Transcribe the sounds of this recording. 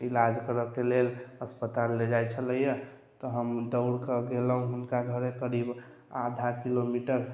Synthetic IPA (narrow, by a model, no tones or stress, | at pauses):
ilad͡ʒkəɾəkeleləspət̪alːed͡ʒajt͡ʃʰələjə | t̪ɔɦəmd̪əʊɽkəɡeləɦũɦunkaɡʱəɾekəɾib | ad̪ʱakilomiʈəɾ